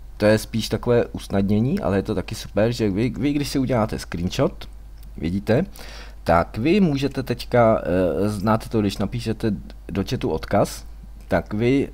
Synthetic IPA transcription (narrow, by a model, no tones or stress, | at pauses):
t̪ojɛspiːʃt̪ako̞vɛːʔusnadɲɛɲiːʔa̰lɛjɛt̪o̞t̪akɪsu̥pɛɾʒɛvɪvɪɡdɪʃsɪuɟɛlaːt̪ɛskɾiːnʃot̪ | vjɪ̰ɟiːt̪ɛ | t̪akvɪmuːʒɛt̪ɛt̪ɛckaznat̪t̪oɡdɪʃnapiːʃɛt̪ɛ | do̞t͡ʃɛt̪uʔo̞t̪kas | t̪akvɪ